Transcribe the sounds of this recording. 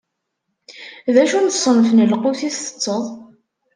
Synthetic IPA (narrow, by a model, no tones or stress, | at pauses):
ðæʃunθsˤənfnəlquθiθθə̥t͡sːəðˤ